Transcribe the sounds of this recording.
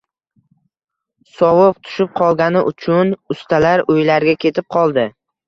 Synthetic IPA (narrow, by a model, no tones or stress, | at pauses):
sɒwʊp̚t̪ʰʊ̥ʃɪp̚qʰɒlˠɡʲanɪʔʊt͡ʃʰʊnʊst̪ʰalaɾojlaɾɡʲakʲʰe̞t̪ʰɪp̚qʰɒlˠd̪ɪ